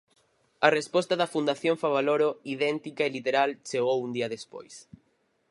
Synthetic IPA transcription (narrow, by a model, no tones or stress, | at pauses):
ɐrespɔst̪ɐðɐfund̪aθjoɱfaβaloɾoiðɛnt̪ikaelit̪eɾalt͡ʃeɣowund̪iɐðespo̰js